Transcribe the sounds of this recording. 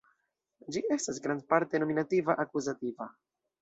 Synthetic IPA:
d͡ʒie̞stas̬ɡɾandpaɾte̞no̞minativaʔakuzativa̰

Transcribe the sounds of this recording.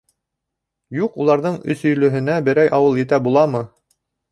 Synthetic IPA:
juqulˠɑɾðɤɴɵ̰̆sɵ̆jlɵ̆ɦɘ̆næbɘ̆ɾæjʔɑwɤlˠjɘ̆t̪æbulˠɑmɤ

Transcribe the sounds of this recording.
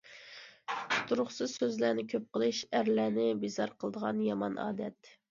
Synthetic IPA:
t̪ʰuɾʊχsɨzsøzlænɪkʲʰøp̚qəlˠɨʃæɾlæːnɪbizɑɾqʰəlˠd̪əʁɑnjɑmɑ̰nʔɑ̰ːd̪ɛt̪

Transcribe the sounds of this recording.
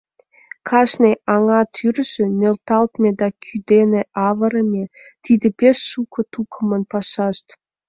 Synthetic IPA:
kʰɑʃneʔɑŋɑt̪ʰyrʒ̥ĕnølt̪ɑlt̪mʲed̪ɑkʰyd̪eneʔɑvə̆ɾə̆mʲet̪id̪ĕpʲesːukʰŏt̪ukʰə̆mə̆npɑʃɑʃt̪

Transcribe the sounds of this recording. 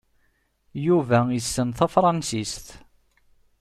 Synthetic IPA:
juvæjəsːənθæfɾˤɑnsist̪

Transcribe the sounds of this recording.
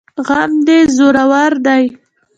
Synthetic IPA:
ɣamd̪ezoɾawaɾd̪aj

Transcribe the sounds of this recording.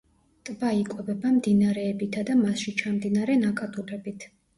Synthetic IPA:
t̪ʼbaikʼwɛbɛbamd̪inaɾɛːbit̪ʰad̪amasʃit͡ʃʰamd̪inaɾɛnakʼat̪ʼuɾɛbit̪ʰ

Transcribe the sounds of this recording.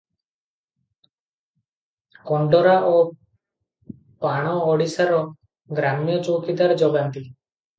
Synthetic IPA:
kɔɳɖɔɾaʔɔ | paɽ̃ɔːɽisaɾɔ | ɡɾamijɔt͡ʃokid̪aɾd͡ʒɔɡant̪i

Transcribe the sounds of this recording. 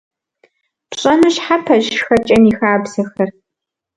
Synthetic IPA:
pɕʼɐnɨʃħapʰɐʑxɐt͡ʃʼɐnixaːbzɐxɐr

